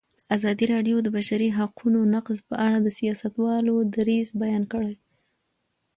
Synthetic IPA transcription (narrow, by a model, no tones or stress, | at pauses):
azɑd̪iɾɑɖjod̪əbaʃaɾiɦaqʰunonaqzpəʔaɽad̪əsijɑsat̪wɑlod̪aɾizbajɑnkəɽe